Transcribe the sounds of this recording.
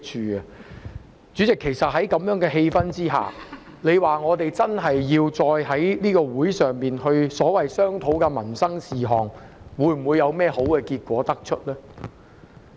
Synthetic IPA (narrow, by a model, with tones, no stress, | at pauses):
t͡ʃʰyː˧ɐ˨ | t͡sy˨˥t͡sɪ˨kʰːe˨˩jsɐ˨t̚ɦɐ˨˥jkɐ˨˧mjœː˨˥ŋkɛː˧ɦe˧jfɐ˥nt͡siː˥ɦa̰ː˨˩ | ne˨˧jwaː˨ŋɔː˨˧t̪e˨jt͡sɐ˥nɦɐ˨jːiː˧wt͡sɔː˧jɦɐ˨˥jniː˥kɔː˧wuː˨˥jsœː˨ŋmiː˨nhɵ˧ɥsɔː˨˥wɐ˨jsœː˥ŋt̪ʰo˨˥wkɛː˧mɐ˨˩nsɐ˥ŋsiː˨˩ɦɔː˨˩ŋwu˨˧jm̩˨˩wuː˨˧jːɐ˨˧wmɛː˥ho˨˥wkɛː˧kiː˧t̚kʷɔː˨˥t̪ɐ˥k̚t͡ʃʰɵ˥t̚lɛː˥